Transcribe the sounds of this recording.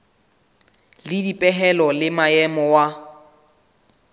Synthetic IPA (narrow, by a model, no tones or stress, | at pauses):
lɪdipʼɛɦɛlɔlɪmaɛmɔwa